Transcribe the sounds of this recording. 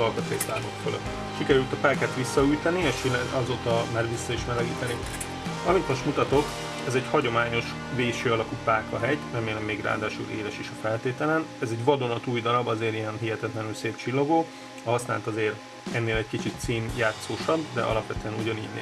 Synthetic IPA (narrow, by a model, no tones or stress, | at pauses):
ɒlkɒt̪eːsaːmokfølø̰t̪ː | ʃikɛɾylt̪ɒpɛːkɛt̪ʋisːɒyjt̪ɛnieʃʃilɛɒzoːt̪ɒmaːrʋisːɒiʃmɛlɛɡḭːt̪ɛni | ɒmit̪moʃt̪mut̪ɒt̪o̞k | ɛzɛɟhɒɟo̞maːɲo̞ʃ | veːʃøːɒlɒkupaːkɒɦɛɟnɛmːeːlɛmːeːɡra̰ːd̪aːʃṵlḛːɾɛʃiʃɒfɛlt̪eːt̪ɛlɛnɛzɛɟʋɒd̪o̞nɒt̪uːjd̪ɒɾɒbɒzeːɾijɛnɦiɦɛt̪ɛt̪lɛnylseːpt͡ʃilːo̞ɡoː | ɒɦɒsnaːlt̪ɒzeːɾ | ɛnːeːlɛckit͡ʃit̪siːnjaːt̪soːʃɒbd̪ɛ̰ʔɒ̰lɒpʋɛt̪øɛnuɟɒnḭːɟnḛ